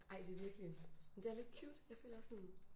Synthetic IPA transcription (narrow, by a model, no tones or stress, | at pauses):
ʔɑ̈ɪ̰d̥e̝ʋiɐɡ̥limend̥e̝æɐle̝d̥̚kʰjud̥jɑ̈ɪfø̰ːlɐsɔn